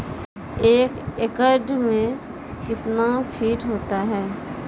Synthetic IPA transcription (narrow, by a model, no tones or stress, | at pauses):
eːkekəɾɖmẽ | kɪt̪napʰiːʈɦoːt̪aɦɛː